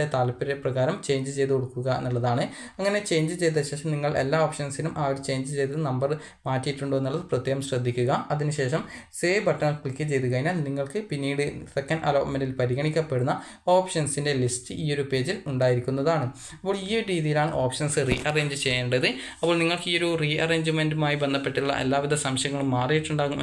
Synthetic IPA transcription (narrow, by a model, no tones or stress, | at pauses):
et̪aːlɐpːiɾeprɐɣaːɾɐmt͡ɕe̞ːjɲd͡ʑɨt͡ɕe̞jt̪ukoɽukːuɣɐenːuɭːɐðaːɳɨ | ɐŋːɐne̞t͡ɕe̞jɲd͡ʑɨt͡ɕe̞jt̪̬ːɐɕe̞ːʂɐmniŋːɐɭe̞̰lːaːoːpʂɐnsinumʔaːoɾut͡ɕe̞jɲd͡ʑɨt͡ɕe̞jt̪ɨnɐmbɐr | maːtːijiʈːuɳɖoːeːuɭːɐðɨprɐt̪ːjeːɣɐmɕrɐd̪ʱːikʲːuɣɐɐðinɨɕe̞ːʂɐmseːbɐʈːɐŋɐkɭikʲːɨt͡ɕe̞jt̪uɣɐjenːaːlniŋːɐɭkɨpinːiːɽɨsekːɐnɖɐ̰loːʈmendilpɐɾiɣɐɳikʲːɐpːe̞ɽunːɐ | o̞ːpʂɐnsinde̞listːɨʔiːo̞ɾupe̞ːd͡ʑiluɳɖaːjiɾikʲːunːɐðaːɳɨ | ɐpːo̞ːɭiːoɾiːðijilaːɳɨʔo̞ːpʂɐnsɨriːʔɐreːɲd͡ʑɨt͡ɕe̞jːɐːɳɖɐiðɨɐpːo̞ːɭniŋːɐɭkɨiːo̞ɾuriɐre̞ːɲd͡ʑɨmendumaːjibend̪ɐpːe̞ʈːiuɭːɐ̰ʔḛlːaːʋid̪ʱɐsɐmɕjɐŋːɐɭumːaːrijiʈːuɳɖaːɣum